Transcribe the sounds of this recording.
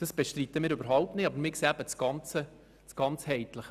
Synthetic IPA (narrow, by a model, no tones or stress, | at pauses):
d̥ɑsb̥ɛʃtrit̪əmɪːɾøbəɾɦɑwp̚tnɪtɑbəɾmɪkseːæbət͡sɡ̥ɑnt͡sə | t͡sɡ̥ɑnt͡shɛɪt̪ləχ